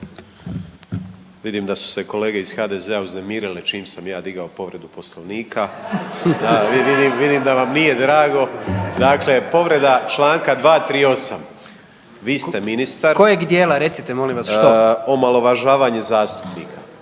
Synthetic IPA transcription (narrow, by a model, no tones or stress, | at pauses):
ʋid̪iːmd̪asu̥se̞ko̞le̞ːɡe̞iz̥xaːd̪ezeauzne̞miːɾilet͡ʃiːmsamjaːd̪iɡaopo̞ʋɾe̞d̪upo̞sloʋniːkʰa | aiʋid̪iːmʋid̪iːmd̪aʋamnije̞d̪ɾaːɡo̞d̪akle̞po̞ʋɾe̞d̪at͡ʃlaːŋkad̪ʋaːt̪ɾiːo̞sam | ʋiːst̪e̞minist̪aɾkojeɡd̪jeːlaɾet̪sit̪emolĩmʋasʃoo̞malˠo̞ʋaʒaːʋaːɲe̞zaːst̪u̥pnḭːkʰa